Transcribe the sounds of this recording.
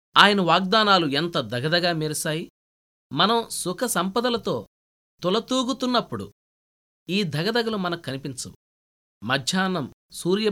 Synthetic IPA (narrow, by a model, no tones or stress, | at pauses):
aːjɐnɐʋaːɡ̚d̪aːnaːluent̪ɐd̪ʱɐɡɐd̪ɐɡaːmeɾsaːji | mɐnɐmsukʰɐsɐmpɐd̪ɐlɐt̪o̞ː | t̪ulɐt̪uːɡut̪unːɐpːuɽṵ | iːd̪ʱɐɡɐd̪ɐɡɐlumɐnɐkːɐnipint͡ʃɐm | mɐd̪ʱjaːnɐmsuːɾjɐ